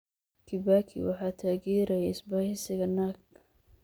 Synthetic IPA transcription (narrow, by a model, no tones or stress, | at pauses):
kʰɪbaːkʰɪ̰wɑ̰ħɑːt̪ʰaːɣiːɾɐjaɪsbaːhɪsɪɣɐnaːɡ